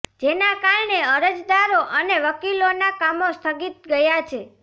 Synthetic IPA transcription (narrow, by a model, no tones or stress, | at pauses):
d͡ʒenakaɭɳeəɾəd͡ʒd̪aɾoʔəneʋəkilonakamost̪ʰəɡit̪̚ɡəjat͡ʃʰe